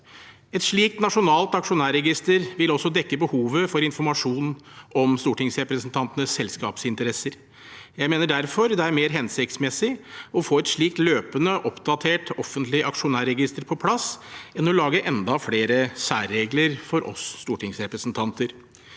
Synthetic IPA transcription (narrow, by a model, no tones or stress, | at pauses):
ɛt̪ʂɭiːkt̪nɑʂʊnɑːlt̪ɑkʂʊnæːɾɛɡɪst̪əɾʋɪlɔsːɔd̪ɛkːəbəhuːʋəfɔɾɪnfɔɾmɑʂuːnʔɔmst̪uːʈɪŋsɾɛpɾəsnt̪ʰɑnt̪ənəsːɛlskɑ̰ːpsɪnt̪əɾɛsəɾ | jæɪmeːnəɖæɾfɔɾd̪ɛæɾmeːɾɦɛnsɪk̚t̪smɛsɪɔfoːɛt̪ʂɭiːk̚t̪løːpənəʔɔpd̪ɑt̪ʰeːʈɔfːənt̪lɪəʔɑkʂʊnæːɾɛɡɪst̪əɾpʰɔpʰlɑsɛnɔlɑːɡəʔɛnd̪ɑfɽeːɾəsæːɾːeːɡləɾfɔɾʔɔ̰sːt̪uːʈʰɪŋsɾɛpɾəsnt̪ʰɑnt̪əɾ